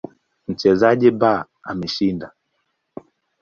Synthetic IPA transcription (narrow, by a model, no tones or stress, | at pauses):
m̩t͡ʃɛzaʄiba | a̰mɛʃinda